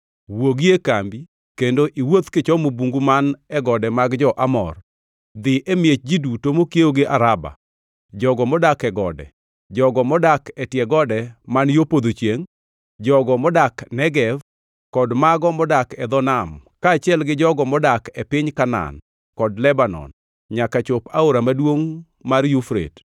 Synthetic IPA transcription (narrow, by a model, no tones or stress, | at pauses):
woɡiekambi | kendoʔiwot̪kɪt͡ʃɔmobuŋɡumanɛɡɔdɛmaɡd͡ʒɔʔamɔ̰r | d̪ɪʔemjet͡ʃ̚d͡ʒidutomokjeoɡɪʔaɾaba̰ | d͡ʒɔɡɔmɔdakɛɡɔ̰dɛ̰ | d͡ʒɔɡɔmɔdakɛtjɛɡɔdɛmanjopod̪ot͡ʃjeŋ | d͡ʒɔɡɔmɔdaknɛɡɛv | kɔdmaɡɔmɔdakɛd̪ɔnamkaːt͡ʃɪɛlɡɪd͡ʒɔɡɔmɔdakɛpɪɲkana̰n | kɔdlɛbanɔ̰n | ɲakat͡ʃʊpaoɾamadwoŋ | marjufɾḛt